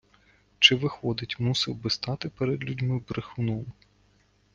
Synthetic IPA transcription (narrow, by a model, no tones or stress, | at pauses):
t͡ʃɪʋɪxɔd̪ɪtʲmusɪwbɪst̪ɑt̪ɪpeɾɛd̪lʲudʲmɪbɾɪxʊnɔm